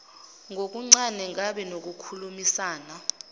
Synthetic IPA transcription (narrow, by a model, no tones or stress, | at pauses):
ŋɡʱok̬ʼuŋ͡ǀanɛŋʱaɓɛnok̬ʼukʰulumisaːna